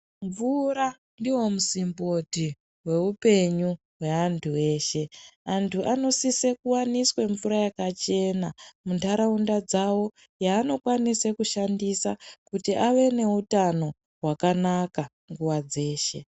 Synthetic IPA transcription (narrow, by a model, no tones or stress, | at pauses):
ɱvuɾa | ndiwo̞musimboti | we̞upe̞ɲu | we̞antʰuwe̞ːʃe̞antʰuʔano̞sisekuwaniswe̞ɱvuɾajakat͡ʃe̞namuntaɾaundad͡zawo̞ | jaːno̞kwanise̞kuʃandisakutiʔaʋe̞ne̞utano̞ | ɦwakanaka | ŋɡuwad͡ze̞ːʃe̞